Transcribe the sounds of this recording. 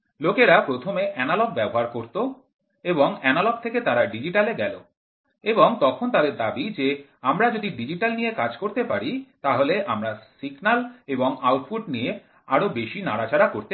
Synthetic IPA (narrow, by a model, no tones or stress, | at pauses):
lokeɾapɾot̪ʰomeʔɛnaloɡ̚bɛboɦaɾkoɾt̪o | eboŋɛnalɔɡ̚t̪ʰeket̪aɾaɖid͡ʑiʈaleɡɛlo̰ | eboŋt̪ɔkʰont̪ad̪eɾd̪abid͡ʑe | amɾad͡ʑod̪iɖid͡ʑiʈalnijekad͡ʑkoɾt̪epaɾit̪aɦoleʔamɾasiɡnaleboŋawʈfuɖ̚nije | aɾobeʃinaɽat͡ɕaɾakoɾt̪e